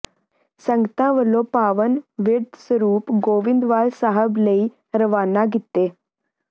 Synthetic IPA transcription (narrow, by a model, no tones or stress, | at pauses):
sə̃ŋɡət̪ãʋəlːopaːʋənʋɪɾd̪səɾuːpɡoːʋɪnd̪ʋaːlsaːɦəbləi | ɾəʋaːnaɡit̪ːeː